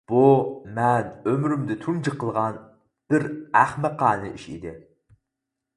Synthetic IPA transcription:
b̥umɛnømɾymd̪ɪt̪ʰumd͡ʒəqʰəlˠʁɑn | b̥ɪɾæχmɨqʰɑːnɨ̰ʔiʃḭd̪ɪ

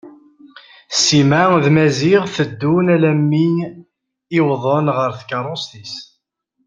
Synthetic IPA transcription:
simaðmæziʁθəd̪ːunælæmːin | ɪwðˤənʁəɾθkːɑɾˤost̪is

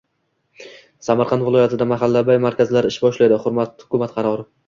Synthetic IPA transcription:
samaɾqʰɑnt̪vɪlɒjat̪ʰɪd̪amaɦalːabajmaɾkʲʰazlaɾɪʃbɒʃlajd̪ɪhʊɾmat̪hʊ̥kʊmat̪qʰɑɾɒɾɪ

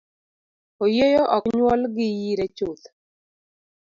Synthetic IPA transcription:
ojejɔʔɔkɲwɔlɡɪjiɾɛt͡ʃot̪

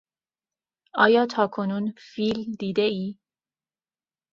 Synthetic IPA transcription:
ɒ̰ːjɒːt̪ʰɒːkʰonuːnfiːld̪iːd̪eiː

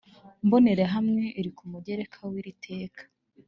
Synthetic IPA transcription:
mbo̞ne̞ɾeɦamŋe̞ʔiɾikumuɟe̞ɾe̞kʰawiɾitʰe̞ːkḁ

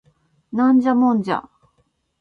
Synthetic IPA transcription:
nãɲd͡ʑamõnd͡ʑa̰

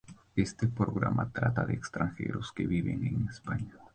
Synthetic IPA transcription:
e̞st̪epɾoɣɾamʔat̪ɾat̪aðeːkst̪ɾaŋxeɾoskeβiβeŋeŋespaɲa

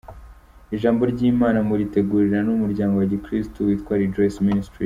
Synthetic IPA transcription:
iʒaːmbo̞ɾɟiːmaːnamuɾite̞ɡuːɾiɾanumuɾɟaːŋɡo̞waɟikɾistuwiːtkwaːɾid͡ʒojsministɾi

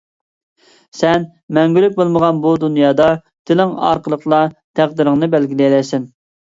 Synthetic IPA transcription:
sɛn | mɛŋɡʲylyk̚ʲbolˠməʁɑnbud̪unjɑːd̪ɑ | d̪̥ɪlɪŋɑ̰ɾqəlˠəqlˠɑt̪ʰæʁd̪ɪɾɪŋnɨbælɡʲilɛlɛjsɪn

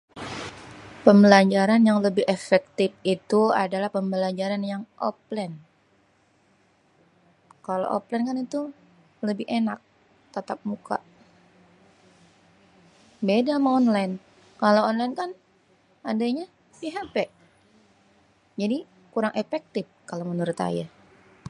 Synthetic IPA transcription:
pəmbəlaɲd͡ʒaɾanjaŋləbɪhefɛk̚t̪ɪf̚it̪ua̰dalahpəmbəlaɲd͡ʒaɾanjaŋʔɔ̰p̚lɛn | kalo̰ʔo̰plɛnkanit̪u | ləbɪhenak̚ | t̪at̪ap̚muka̰ʔ | bedamaɔnlajn | kalowɔnlajnkan | adaɲa | piɦapɛʔ | d͡ʒadi | kuɾaŋʔefɛk̚t̪ɪf̚kalomənuɾʊt̪a̰ja

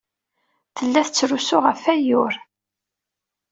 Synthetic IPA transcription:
θəlːæθət͡sːɾusʊʁəfæjʊɾ

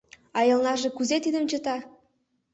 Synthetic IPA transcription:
ɑjɤ̆lˠnɑʒĕkuzet̪id̪ə̆mt͡ɕə̆t̪ɑ

